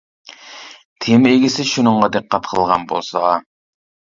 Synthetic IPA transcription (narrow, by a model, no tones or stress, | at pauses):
t̪ʰemeɡʲɪsɪʃunɨŋʁɑd̪eqːæt̪̚qʰəlˠʁɑnbo̰lˠsɑʁɑ